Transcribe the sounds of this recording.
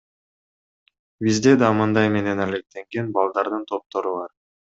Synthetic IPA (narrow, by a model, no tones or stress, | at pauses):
bizd̪e̞d̪ɑmɯnd̪ɑjme̞ne̞næle̞k̚t̪e̞ŋɡe̞nbɑlˠd̪ɑɾd̪ɯnt̪ʰo̞p̚t̪o̞ɾuβɑɾ